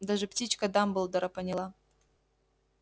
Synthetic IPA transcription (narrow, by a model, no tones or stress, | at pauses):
d̪aʐɨptʲit͡ɕkad̪ambɨlˠd̪ɐɾapɐnʲɪlˠa